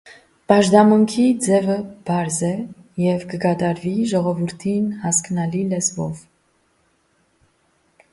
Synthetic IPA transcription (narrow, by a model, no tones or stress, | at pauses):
pɑʒd̪ɑmuŋkʰid͡zɛvəb̥ɑɾzɛ | jɛvkəkɑt̪ɑɾviʒɔʁɔvuɾt̪ʰinhɑsknɑlilɛzbɔ̰v